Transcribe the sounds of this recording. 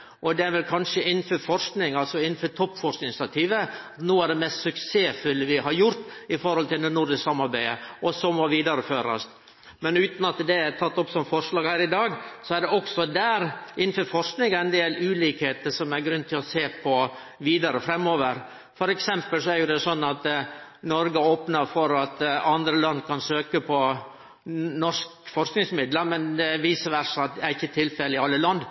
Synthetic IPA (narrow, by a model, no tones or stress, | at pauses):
ʔɔd̪ɛæɾʋɛlkʰɑnʂəɪnːnføɾfɔɾʂknɪŋɑlsɔɪnːn̩fœt̪ʰɔpːfɔɾʂɪnɪsɑt̪ʰiːʋəɑt̪noːæɖɛmɛst̪sʉkseːfʉlːəʋɪɦɑɾjʊɾt̪ɪfɔɾhɔlt̪ɪld̪ɛnʊɾɖ̪ɪssɑmːɑɾbæɪəʔɔsɔmɔʋiːd̪ɑɾəføːɾɑ̰st̪ | mɛnʉːt̪nɑt̪d̪ɛæt̪ʰɑt̪ːɔpːsɔmfɔɾʂlɑːɡhæːɾɪd̪ɑːɡsɔæɾɖɛɔksɔd̪æːɾʔɪnːn̩føːɾfɔʂknɪŋɛnd̪eːlʉːliːkheːt̪əʂɔmæɾɡɾʉnt̪ʰɪlɔseːpʰɔ | ʋiːd̪ɑɾəfɾɛmːoːʋəɾ | fɔɾɛksɛmpəlsɔæɾjʊd̪ɛsɔnːɑt̪nɔɾɡəoːpnəɾfɔɾɑt̪ɑnd̪ɾəlɑnd̪kʰɑnsøːkəpʰɔ | nɔʂkfɔɾknɪŋsmɪd̪ləmɛnd̪ɛʋiːsəɾʋæɾʂɑt̪̚d̪ɛæɾɪçːət̪ʰɪlfɛlɪɑlːəlɑnd̪